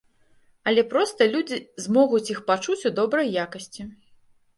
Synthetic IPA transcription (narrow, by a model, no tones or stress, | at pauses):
ɐlʲɛpɾɔst̪ɐlʲud͡zʲizmɔɣut͡sʲixpat͡ʂut͡sʲud̪ɔbɾɐjːakɐsʲt͡sʲi